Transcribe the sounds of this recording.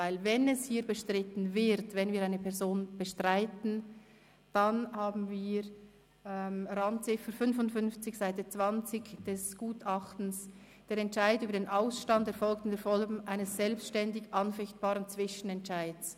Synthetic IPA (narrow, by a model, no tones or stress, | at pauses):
vaɪlvɛnɛshiːɐbəʃtʁ̥ɪtn̩vɪɾtvɛnviːɾaɪnəpʰɛʁzoːnb̥əʃtʁaɪtn̩ | d̥anhaːbn̩viːɾ | ɛmɾɑnt͡sɪfəfʏnfʊntfʏnft͡sɪçsaɪtət͡sv̥ɑnt͡sɪçd̥ɛsɡ̥uːtʰɑχtn̩s | d̥eːɾɛntʃaɪtyːbəɾdeːnʔaʊsʃtɑntɛɐɾfɔlktɪndeːfɔlɡm̩ʔaɪnəsːɛlpstʃtɛndɪɡʔɑnfɛçt̚b̥aːʁənt͡sv̥ɪʃən̩ɛntt͡ʃaɪds